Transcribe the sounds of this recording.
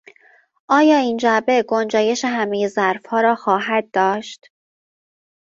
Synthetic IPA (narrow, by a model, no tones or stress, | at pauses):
ʔɒːjɒːiːnd͡ʒæbe̞ɡond͡ʒɒːje̞ʃe̞ɦæmeje̞zæɾfhɒːɾɒːxɒːɦæd̪̚ːɒːʃt̪